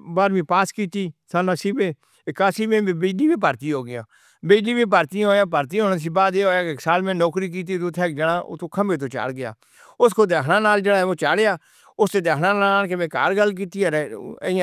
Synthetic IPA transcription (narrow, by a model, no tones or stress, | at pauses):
baːɾmĩːpaːskiːt̪iːsaːnãːsiːbẽː | ɪkaːsiːmẽːbəd͡ʒliːbiːpəɾt̪iːɦoːɡɪjã̰ː | bəd͡ʒliːbĩːp̬əɾt̪iɦoːjãːpəɾt̪iɦoːnãːs̬iːbaːd̪eːɦoːjãːkɪksaːlmẽːnɔːkɾiːk̬iːt̪̬iːd̪ot̪ʰːɛːkd͡ʒəɽã̰ːt̪oːkʰəmbeːt̪̬oːt͡ʃa̰ːlɡɪja̰ː | ʊskʰoːt̪̬eːɦnãːnaːld͡ʒeːɽaːɛoːt͡ʃaːlejaː | ʊst̪eːt̪eːɦnãːnaːlkɪmẽːka̰ːɾɡəlːk̬iːt̪iːɛɾɪã